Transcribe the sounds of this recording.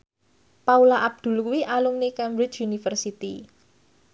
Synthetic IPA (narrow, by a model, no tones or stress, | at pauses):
paulaʔab̚d̪̥ṳlkuwiʔalumnikɛmbɾɪt͡ʃunifərsit̪i